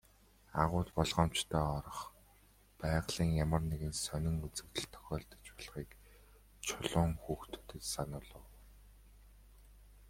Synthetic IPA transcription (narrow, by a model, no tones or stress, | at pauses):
aʁʊːt̪pɔɮʁɔːmt͡ɕt̪ʰœːɔɾɞ̆χ | pæːʁɮ̥iːŋjamə̆rneɣɘ̆nsœnʲɪ̆ŋut͡sɘ̆kt̪ɘ̆ɮt̪ʰɔ̥xʲɔːɮt̪ɞ̥̆t͡ɕpɔɮχiːk | t͡ɕʰʊɮʊːŋxuːxt̪ʰɵ̥t̪ɘ̆t̪sanʊːɮʊː